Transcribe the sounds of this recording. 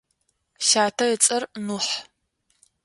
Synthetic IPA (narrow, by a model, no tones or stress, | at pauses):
ʃaːtʰɐət͡sʼɐrnuħ